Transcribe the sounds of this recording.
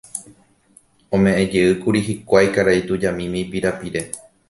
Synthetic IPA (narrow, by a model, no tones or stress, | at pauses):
õmẽ̞ʔẽd͡ʒeɨkuɾiɦikʷajkaɾait̪ud͡ʒamĩmĩpiɾapiɾe̞